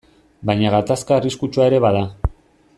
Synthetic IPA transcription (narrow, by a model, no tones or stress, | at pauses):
bajɲaɣat̪askaeriskut͡ʃuae̞ɾe̞βaða